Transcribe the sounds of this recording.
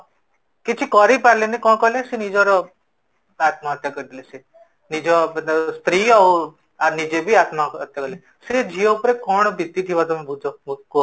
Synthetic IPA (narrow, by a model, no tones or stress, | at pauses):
kit͡ʃʰikɔɾipaɾlenikɔ̃kɔlesinid͡ʒɔɾɔ | at̪maət̪ːjakəɾid̪ilese | nid͡ʒɔst̪ɾiɔ | anid͡ʒebʱiat̪maət̪ːjakɔle | sid͡ʒʱijoupɾekɔɳ̃bit̪ːit̪ʰiʋat̪ɔmẽbʱud͡ʒʱoko